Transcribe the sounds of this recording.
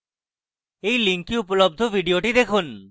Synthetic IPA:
ejliŋkiupolob̚d̪ʱobʱiɖioʈid̪ekʰun

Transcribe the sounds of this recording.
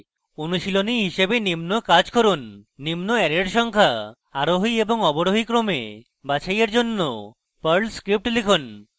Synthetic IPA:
onuʃiloniɦiʃebenimnokad͡ʑkʰoɾunːimnoɛɾeɾʃɔŋkʰa | aɾoɦieboŋɔboɽoɦikɾomḛ | bat͡ɕʰajaɾd͡ʑonːo | pəɾlskɾip̚ʈlekʰon

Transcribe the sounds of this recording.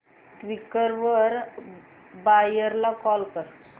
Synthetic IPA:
ʈʋikːəɾʋəɾ | bajəɾlakɔlkəɾ

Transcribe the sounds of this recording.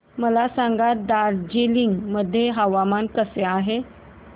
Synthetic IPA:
məlasãŋɡat̪̚d̪aɾd͡ʑeliŋɡməd̪ʱːjeɦəʋamankəseaɦe

